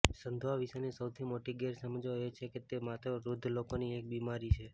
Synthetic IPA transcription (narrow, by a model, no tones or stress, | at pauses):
sənd̪ʱʋaʋiʃanisəwt̪ʰimoʈiɡɛɾsəməd͡ʒjet͡ʃʰeket̪emat̪ɾəɾud̪ʱːlokoniek̚bimaɾit͡ʃʰe